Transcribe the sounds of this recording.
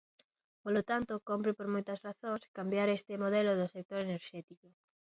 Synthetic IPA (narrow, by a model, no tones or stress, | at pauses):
polot̪ant̪okompɾɪpoɾmojt̪ɐsraθoŋskambjaɾest̪ɪmoðeloðʊsek̚t̪oɾeneɾʃɛt̪iko